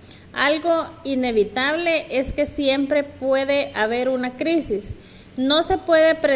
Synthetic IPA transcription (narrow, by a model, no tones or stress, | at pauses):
alɣoine̞βit̪aβleʔeske̞sjempɾepweðeʔaβeɾunakɾisis | nose̞pwe̞ðepɾe